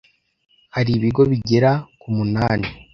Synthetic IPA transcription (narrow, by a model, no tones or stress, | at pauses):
haɾiβiɡo̞βiɟeɾakumunaːni